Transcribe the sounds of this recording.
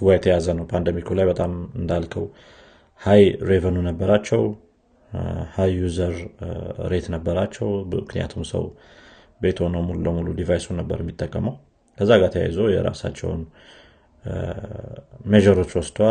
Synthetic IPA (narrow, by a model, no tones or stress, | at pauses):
ɨɡʷajɛt̪ʰəjazənəwpʰand̪əmikʰulajbət̪ʼamɨnd̪alkʰəw | hajɾe̞vənunəbːəɾat͡ʃːɛw | hajːuzəɾ | ɾe̞t̪nəbːəɾat͡ʃːɛwmɨknija̰t̪ʰumsə̰w | bet̪ʰhonəwmulubəmulud̪ivajsunəbːə̰ɾjɛmːit̪ʼːəkʼːəməw | kʰəzːaɡat̪ʰəja̰jzəwjɛ̰ɾa̰sa̰t͡ʃːɛ̰wn | meʒəɾo̞t͡ʃːwɔsd̪wa